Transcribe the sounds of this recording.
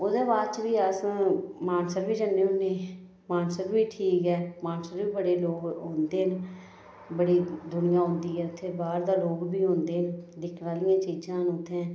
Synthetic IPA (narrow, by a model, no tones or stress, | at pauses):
od̪eːbaːd̪t͡ʃʋiːəsmaːnsəɾbiːd͡ʒənːeːʊnːẽː | maːnsəɾbiːʈʰiːkɦɛːmaːnsəɾbiːbəɽeːloːɡɦõːnd̪eːɦn | bəɽiːd̪ʊnɪjãːɦʊ̃nd̪iːɛːʊt̪ʰːeːbaːɾd̪aːloːɡbiːɦõːnd̪eːnd̪ɪkʰnaːlɪjãːt͡ʃiːd͡ʒãːnʊt̪ʰːẽː